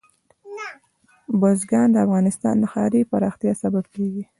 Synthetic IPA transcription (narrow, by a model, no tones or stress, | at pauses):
bozɡɑnd̪əafɣɑnɪst̪ɑ̰nd̪axɑɾipaɾɑxt̪jɑsabab̚keɡi